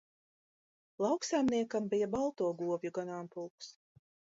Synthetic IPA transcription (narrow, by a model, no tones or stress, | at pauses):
lˠɑwksajmniɛkambijabalˠt̪uɔɡuɔvʲjuɡanaːmpulˠks